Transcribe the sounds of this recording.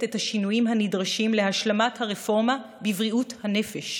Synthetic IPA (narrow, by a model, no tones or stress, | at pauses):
tethaʃinujimɦanidʁaʃimlehaʃlamathaʁefo̞ʁma | bivʁiʔuthanefeʃ